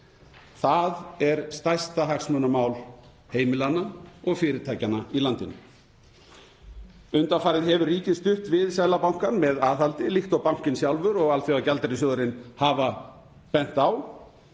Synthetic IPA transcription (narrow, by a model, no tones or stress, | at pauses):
θaðɛɾ̥st̪ajst̪aɦaksmœnamaːwl | heːjmɪlanːaɔɣfɪːɾɪt̪ʰaːjcanailant̪ɪnʏ | ʏnt̪afaːjɾɪðɦɛvʏɾriːcɪst̪ʏht̪vɪðsjaːjlapawŋ̥kanmɛðaːðhalt̪ɪlixt̪awpawŋ̥cɪnsjawlvʏɾɔɣalθɛacalt̪ɾɪsjɔðʏɾɪnhava | pɛn̥t̪aw